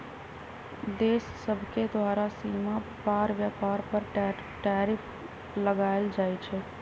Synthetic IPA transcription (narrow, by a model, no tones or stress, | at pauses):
d̪eːsːəbʱked̪ʋaːɾasiːmapaːɾʋjapaːɾpəɾ | ʈɛːɾɪpʰ | ləɡaːɪld͡ʒaːjt͡ʃʰɛ